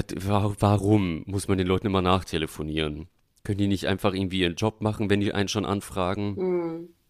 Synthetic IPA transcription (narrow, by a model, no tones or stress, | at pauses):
tvavaʁʊmːʊsmandeːnlɔʏtn̩ʔɪmɐnaːχtʰeləfoniːʁ̞ən | kʰœnəndiːnɪçtʔa̰ɪnfaχʔɪɐɡŋ̩tv̥iːiːʁənd͡ʒɔpmaχn̩vɛndiːʔa̰ɪnənʃoːnʔa̰nfʁ̥aːɡŋ̩